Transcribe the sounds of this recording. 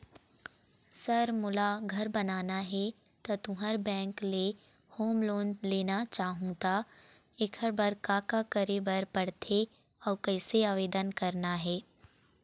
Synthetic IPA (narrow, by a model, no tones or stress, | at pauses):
sɐɾmʊlaɡʱɐɾbɐnaːnaɦɛ | t̪at̪ʊɦəɾbɛ̃ːŋkle | hoːmloːnleːnat͡ʃaːɦũt̪a | ɪkʰəɾbɐɾkaːkakəɾebɐɾpɐɽt̪ʰe | ɔːɾkɛːseaːʋeːd̪ənkɐɾnaɦɛː